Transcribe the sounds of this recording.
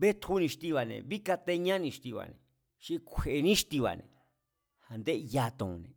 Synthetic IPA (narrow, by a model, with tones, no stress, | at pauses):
βe˦t̪hu˦nĩ˧ʃt̪i˧βa˨nḛ̃˧˨βi˦ka˧t̪e˧ɲã˦nĩ˧ʃt̪i˧βa̰˨nḛ̃˨ | ʃi˧kʷʰe˨ʔnĩ˦ʃt̪i˧βa̰˨nḛ̃˧ | ha˧nd̪e˦ʔja˧t̪ṵ̃˨˧nẽ˨